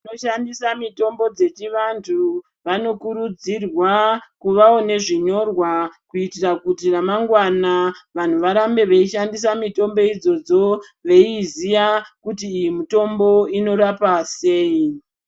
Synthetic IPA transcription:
noʃandisamito̞mbo̞d͡ze̞t͡ʃiʋantʰu | ʋano̞kuɾud͡zirwakuʋao̞ne̞ʐiɲo̞rwakuitirakutiramaŋɡwanaʋan̤uʋaɾambe̞ʋeiʃandis̬amito̞mbo̞id͡zo̞d͡zo̞ | ʋe̞izijakutiːjimito̞mbo̞ino̞ɾapase̞ːi

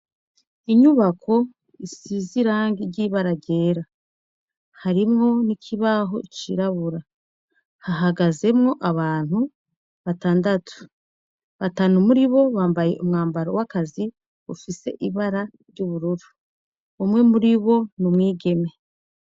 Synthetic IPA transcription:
iɲuβakʰo̞ | isiziɾaːŋɡiɟiːβaɾaɾɟe̞ːɾa | haɾimŋo̞nikʰiβaɦo̞̰t͡ʃiɾaβuɾa | haɦaɡaze̞mŋo̞ʔaβaːn̥hu | βataːndatʰu̥ | βatanumuɾiβo̞βaːmbaje̞̰ʔumŋaːmbaɾowakazi | ufise̞̰ʔiβaɾaɾɟuβuɾuɾuː | mŋe̞muɾiβo̞numŋiːɡe̞me̞

